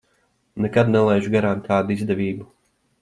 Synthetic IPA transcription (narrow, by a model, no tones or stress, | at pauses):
nɛkad̪nɛlˠɛjʒuɡaɾaːnkʰaːd̪uizd̪ɛvʲiːbu